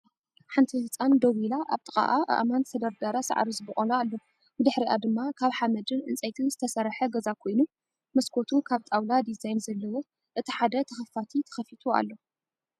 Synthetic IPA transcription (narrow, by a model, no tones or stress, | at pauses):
ħant̪ʰifɨt͡sʼand̪oβilaʔa̰βt̪ʼɨa̰ʔaʔa̰ʔmant̪sʰɐd̪ɐɾd̪aɾasa̰ʕ̰ɾizɨbχʼolaalːo | bɨd̪ɨħɾiʔa̰d̪ɨmːakʰaβħamɐd̪ɨnʔɨnt͡sʼɐjt̪ʰɨnzɨt̪ʰɐsɐɾħɐɡɐzakʰo̞jnu | mɐskʰo̞t̪ʰukʰaβt̪ʼawlad̪izajnzɐlːɐwo | ʔɨt̪ʰiħad̪ɐt̪ʰɐxɐfat̪ʰit̪ʰɐ̥xɐfit̪ʰua̰lːo̞